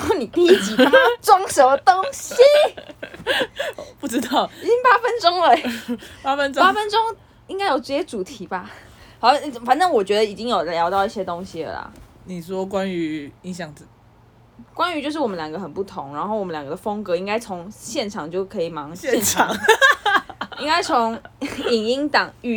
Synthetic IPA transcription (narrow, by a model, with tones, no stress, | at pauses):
ni˨˩t̪i˥˧i˥t͡ɕi˨˩a˥˩ə˥ʈ͡ʂʊ˥ŋʂo˧˥ʊt̪o˥ŋɕi˨ | pu˥˩ʈ͡ʂɻ̩˥t̪ɑ˥˩ʊi˨˩t͡ɕi˦˥ŋpa˦˥fə˦nʈ͡ʂo˥ŋlə˨pa˥fə˦nʈ͡ʂpa˥fə˥nʈ͡ʂo˦ŋ | i˥ŋka˥ɪjo˨˩ʊʈ͡ʂ̩˥˩ɕjɛ˥ʈ͡ʂu˨˩t̪ʰi˨˧˥ba˧ | xɑ˨˩˥fa˨˩˦nʈ͡ʂɤ˥ŋwɔ˨˩t͡ɕɥɛ˧˥d̪ə˧i˨˩t͡ɕi˦˥ŋjo˨˩ʊljɑ˧˦ʊt̪ɑ˥˧ʊi˥˩ɕjɛ˥t̪o˥ŋɕi˨lə̰˨lɐ̰˩ | ni˨˩ʂwɔ˦kwa˦ny˧˦i˧˥ŋɕ̬jɑ˥˩ŋt͡s̩˨˩ | kwa˥˦ny˧t͡ɕjo˥˧ʊʂɻ̩˥˩wɔ˨˩ə˦ljɑ˨˩ɡə˦xə˨˩npu˥˩t̪ʰʊ˧˦ŋɻa˧˥nxo˥˩wɔ˨˩mə˦nljɑ˨ŋɡə˦d̪ə˧fə˥ŋkɤ˧˦i˥ŋka˥ɪt͡sʰo˧˦˥ŋɕjɛ˥˩nʈ͡ʂʰɑ˨˩ŋt͡ɕjo˥˩ʊkʰɤ˧˥i˨˩mɑ˧˥ŋɕɛ˥ɑ˨˦ŋ | i˥ŋka˥ɪt͡sʰo˧˥ŋi˨˩ŋi˥ŋt̪ɑ˨˩ŋy˧˥